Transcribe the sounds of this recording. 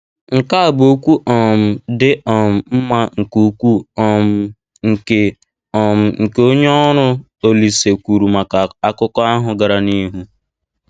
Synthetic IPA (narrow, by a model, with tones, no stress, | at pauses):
ŋ̩˨ka˦a˨bo˦kʷu˦ʔɔ˨m̩˨dɪ˦ɔ˨m̩˨m̩˦ma˦ŋ̩˨ku˦kʷu˦ɔ˨m˦ | ŋ̩˨ke˨ | ɔ˨m̩˨ŋ̩˨ke˦o˦ɲe˦ɔ˦ɾʊ˦ | o˦li˨se˨kʷu˨ɾu˨ma˨a˨a˦kʊ˦kɔ˦a˦ɦʊ˨ɡa˨ɾa˨ni˦ɦu˦